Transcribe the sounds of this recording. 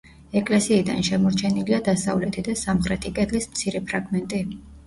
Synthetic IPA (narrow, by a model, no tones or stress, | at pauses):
ɛkʼlɛsiːd̪a̰nʃɛmɔɾt͡ʃʰɛniliad̪asavlɛt̪ʰid̪asamχɾɛt̪ʰikʼɛd̪lismt̪sʰiɾɛpʰɾaɡmɛnt̪ʼi